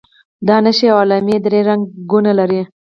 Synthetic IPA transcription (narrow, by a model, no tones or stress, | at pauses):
d̪ɑnaʃiawɑlɑmed̪ɾeɾaŋɡɡunalaɾi